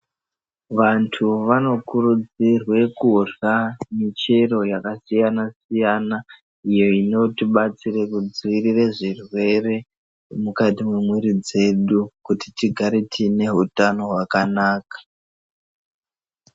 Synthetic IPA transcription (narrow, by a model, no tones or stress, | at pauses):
ʋantʰuʋano̞kuɾud͡zirwe̞kuramit͡ʃero̞jakasijanasijana | ijo̞ino̞tiɓat͡sirekud͡ziirireʐirwe̞re̞ | mukatimwemweɾid͡ze̞ɗukutitiɡʱaɾetʰine̞ɦutano̞ɦwakanaːkḁ